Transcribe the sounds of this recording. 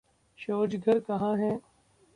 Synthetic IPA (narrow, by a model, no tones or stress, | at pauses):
ʃoːd͡ʒɡʱɐɾkɐɦãːɦɛ̃ː